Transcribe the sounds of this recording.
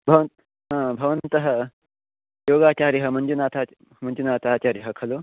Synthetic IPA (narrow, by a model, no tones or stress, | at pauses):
bʱɐʋənt̪ | ɦãːbʱɐʋənt̪əɦə | joːɡaːt͡ɕaɾiɦəmənd͡ʒunaːt̪ʰa | mənd͡ʒunaːt̪ʰaːt͡ɕaɾiɦəkʰɐlo